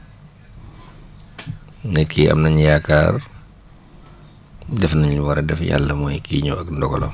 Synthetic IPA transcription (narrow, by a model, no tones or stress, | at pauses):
ŋɛtkʰiʔɐ̰mnɐɲjakaːr | dɛfnɐɲuwɐɾɛdɛfja̰lːəmɔjkiɲuɐkndɔɡɔ̰lɔ̰